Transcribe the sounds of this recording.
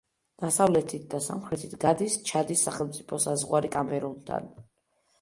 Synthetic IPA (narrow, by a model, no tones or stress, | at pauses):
d̪̥asavlɛt̪ʰit̪̚ʰd̪asa̰mχɾɛt̪ʰit̪ʰɡad̪ist͡ʃʰad̪isːaχɛlˠmt̪sʼipʰɔsazʁwaɾikʼamɛɾunt̪ʰa̰n